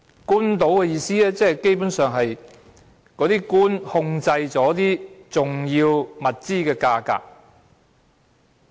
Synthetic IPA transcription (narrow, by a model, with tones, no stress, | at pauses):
kuː˥nt̪o˨˥wkɛː˧jiː˧siː˥ɛː˥t͡sɛː˥˨ke˥jpuː˨˥nsœː˨ŋɦɐ˨j | kɔː˨˥t̪iː˥kuː˥nhʊ˧ŋt͡sɐ˧jt͡sɔː˨˥t̪iː˥t͡sʊ˨˩ŋjiː˧wmɐ˨t̚t͡siː˥kɛː˧kaː˧ka̰ː˧k̚